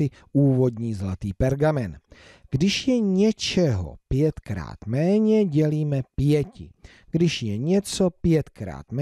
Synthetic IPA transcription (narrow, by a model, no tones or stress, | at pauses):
ɪ | uːvo̞d̪ɲiːzlat̪iːpɛɾɡamɛn | ɡ̥dɪʃjɛɲɛt͡ʃɛɦo̰pjɛt̪kɾa̰ːt̪mɛːɲɛɟɛliːmɛpjɛcɪ̰ | ɡ̥dɪʃjɛɲɛt͡so̞pjɛt̪kɾa̰ːt̪mɛ